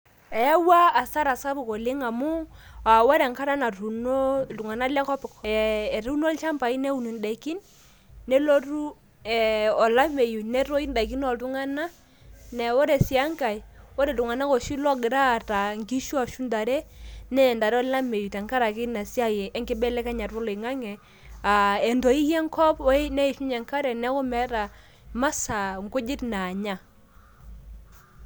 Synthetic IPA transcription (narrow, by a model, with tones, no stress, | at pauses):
ɛ˨ja˦waː˦˨sa˦ɾa˨sa˦bu˨kɔ˨lɪ˦ŋa˨mu˦a˨wa˦ɾɛ˨ŋka˦ɾa˦na˨ɾu˨no˦˨tu˨ŋa˨na˦lɛ˦kɔ˦pɪ˨kɔː˨ɾu˦no˦lt͡ʃa˦mpa˨i˦nɛ˦u˨ni˨n˨da˨i˨ki˦nː | ɛ˦lo˦ɾu˦ | ɛ˨ɔ˨la˦me˨ju˨nɛ˦ɾɔ˦i˦n˦da˨ki˦n˦ɔ˨tu˦ŋa˦na˦ | nɛ˨wɔ˦ɾɛ˨si˨a˦ŋka˨i˨wɔ˦ɾɛ˨du˨ŋa˨na˦kɔ˨ʃi˦lɔ˦ɡɪ˨ɾa˦˨ta˨ŋɡi˦ʃu˦a˨ʃu˦nda˨ɾɛ˦nɛ˦˨nda˨ɾɛ˦ɔ˦la˦me˨ju˨ta˨ŋka˦ɾa˨kɪ˦na˨sja˦jɛ˨ɛ˦ŋɡɪ˦bɛ˦lɛ˦ka˦ɲa˨ɾwɔ˦lɔ˨ŋa˦ŋɛ˨ | a˨ɛ˨ndɔ˨i˦jɛ˦ŋkʰɔ˦pnɛ˦i˨ʃu˦ɲɛ˨ŋka˦ɾɛ˨nɛ˦kɔ˦mɛ˨˦ɾa˨ | ma˦sa˨ŋ˨kʊ˦d͡ʒɪ˦tnaː˨ɲa˦